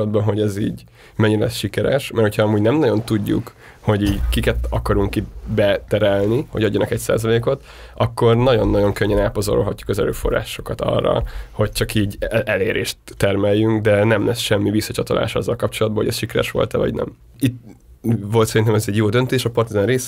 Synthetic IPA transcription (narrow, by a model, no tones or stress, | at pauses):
d̪̚bɒnɦo̞ɟɛzḭːɟ | mɛɲːiɾɛlɛsʃikɛɾɛ̰ʃmɛrho̞cʰhɒɒmuːɟnɛmnɒɟo̞nt̪uɟːṵk | ho̞ɟiːɟkikɛt̪ɒkɒɾuŋkit̪bɛt̪ɛɾɛlniho̞̰ɟɒɟːɒnɒkɛcsa̰ːzɒleːko̞t̪ | ɒkːo̞rnɒɟonːɒɟo̞ŋkøɲːɛnaːpozo̰ɾolɦɒcːu̥kɒzɛɾø̰ːfo̞̰rːa̰ːʃo̞kɒt̪ɒ̰rːɒ̰ho̞c̚t͡ʃɒkiːɟɛleːɾeːʃt̪ːɛrmɛjːyŋɡd̪ɛnɛmlʔɛsʃɛmːivisːɒt͡ʃɒt̪olʔa̰ːʃɒzːɒlkɒpt͡ʃo̞lɒd̪bɒlo̰ɟɛ̰sʃikɛɾɛ̰ʃʋo̞̰lt̪ɛvɒ̰ɟnɛ̰m | it̪ | ʋo̞lt̪sɛɾint̪ɛmɛzɛɟjoːd̪ønt̪eːʃɒpɒrt̪izɒnreːs